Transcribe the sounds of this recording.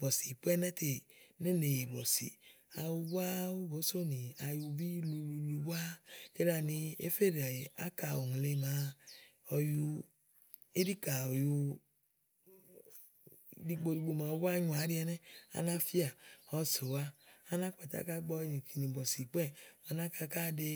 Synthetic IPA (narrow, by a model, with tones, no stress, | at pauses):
bɔ˨si˨k͡pɛ˦nɛ˦te˨ne˦ne˨je˨bɔ˨sḭ˨ | a˨wu˦˧bʷa˦u˦bo˨˦so˦ni˨a˨ju˧bi˦lu˨˧lu˧lu˧bʷa˦e˦la˨ni˧ḛ˦fe˦ɾa˨e˨a̰˦ka˨o˨ŋ˨le˨˧˦ma˨˦ | ɔ˧ju˧ | e˦di˦ka˨ɔ˨ju˧ | di˦˨ɡ͡bo˧ɾi˨˧ɡ͡bo˨ma˨˦ba˦ɲu˨a˨˦ɾi˦ɛ˧nɛ˦a̰˨na˦fi˦a˨ɔ˦so˨wa˦a˦na˦k͡pa˨ta̰˨ka˦ɡ͡bɔ˦ni˨ki˨ni˨bɔ˨si˨k͡pɛ˦ma˨na˦ka˧ka˦de˧